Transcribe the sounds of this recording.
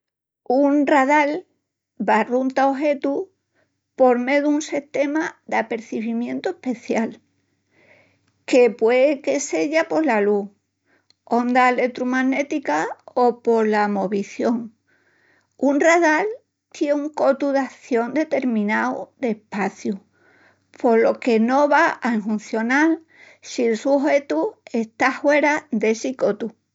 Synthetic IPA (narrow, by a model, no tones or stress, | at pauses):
unrað̞al | barunt̪aoɦe̞t̪u | po̞ɾme̞ðuunseht̪e̞maðape̞ɾθiβimjẽ̞nt̪oepe̞θjal | ke̞pwe̞eke̞se̞ʎapo̞lalu | ond̪ale̞t̪ɾumaŋne̞t̪ikaopo̞ɾlamo̞βiθjo̞ŋ | unraðal | t̪jeuŋko̞t̪uðaθjo̞nd̪e̞t̪e̞ɾmĩnawd̪e̞hpaθju | pʰo̞lo̞ke̞no̞βaaeŋɦũnθjo̞nal | sielsuɦe̞t̪ue̞st̪ahwe̞ɾad̪e̞siko̞t̪u